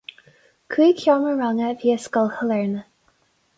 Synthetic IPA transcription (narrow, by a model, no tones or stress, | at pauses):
kʰwiːkʰjɑːməɹaŋəviːəskəlˠhəlɛɹnə